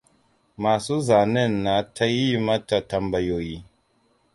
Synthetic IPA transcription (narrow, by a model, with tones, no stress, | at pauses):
ma˨su˦za˨nɛ˦˨nːa˨˦tʰa˦ji˦ma˦ta˨ta˨mba˨jo˨ji˨